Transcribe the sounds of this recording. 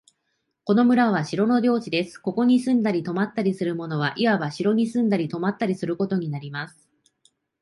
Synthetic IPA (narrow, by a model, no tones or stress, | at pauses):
ko̞no̞mɯ̟ɾaβ̞aɕiɾo̞no̞d̪ʲo̞ːt͡ɕid̪e̞sɨ̥ko̞ko̞ɲ̟isɨ̃nd̪aɾʲit̪o̞mat̪ːaɾʲisɨɾɯ̟mo̞no̞β̞aʔiβabaɕiɾo̞ɲ̟isɨ̃nd̪aɾʲit̪o̞mat̪ːaɾʲisɨɾɯ̟ko̞t̪o̞ɲ̟inaɾʲimasɨ̥